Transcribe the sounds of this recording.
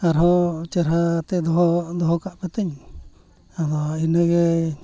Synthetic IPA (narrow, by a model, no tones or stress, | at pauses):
aɾɦɔt͡ʃəɾɦat̪ɛd̪ɔɦɔd̪ɔɦɔkaʔpɛt̪ɛɲ | ad̪ɔinəɡɛ